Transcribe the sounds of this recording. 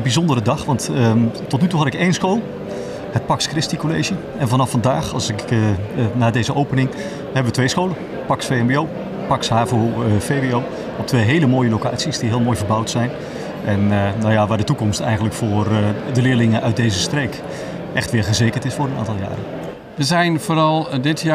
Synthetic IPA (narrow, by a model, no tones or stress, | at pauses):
ənbizɔndərədɑχʋɑntətɔtnytuɦɑtɪkejnsxoːlˠ | hət̚pɑkskrɪstikolejʒə | ɛnvɑnɑfɑndaːχɑlˠsɪk | naːdejzəʔowpənɪŋ | hɛbəʋətʋejsxowlə | pɑksfejɛmbeow | pɑksɦaːvofejbeow | ɔp̚tʰʋejɦeːləmoːjəlowka̰ːtsisdiɦɪːlˠmoːjvərbawtsɛjn | ʔɛnnawjaʋaːdətukɔmstɛ̰jɣənləkfʊːrdəlɪːɹlɪŋəʔœɥt̚dejzəstrejk | ʔɛxtʋɪːɹχəzeːkəntɪsfʊːɾəna̰ːntɑlˠja̰ːɾə̰n | ʋəzɛjnvoːɾɑlˠdɪtʰj